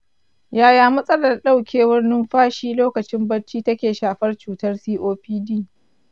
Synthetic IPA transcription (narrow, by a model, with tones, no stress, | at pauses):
jaː˦jaː˦mɐ˦sʼɐ˦lɐ˨rɗa˦wkʲʰeː˨wɐ˦rnʊ˦mɸaː˦ʃiː˦loː˦kɐ˨t͡ʃɪ˦mbɐ˦rt͡ʃːiː˦tɐ˦kʲeː˨ʃaː˨ɸɐ˦rt͡ʃuː˨tɐ˦rsiː˦ʔoː˦ɸiː˦diː˦˨